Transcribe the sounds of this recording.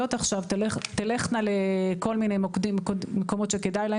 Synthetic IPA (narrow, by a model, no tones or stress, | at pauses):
o̞t̪aχʃavt̪leχt̪ileχnaleko̞lmine̞jmokdimkomeko̞mo̞t̪ʃeke̞d̪ajla